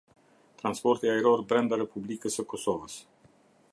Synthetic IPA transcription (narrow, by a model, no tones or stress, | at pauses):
t̪ɾanspo̞rt̪eaiɾorbɾand̪aɾepublikəsəkosovas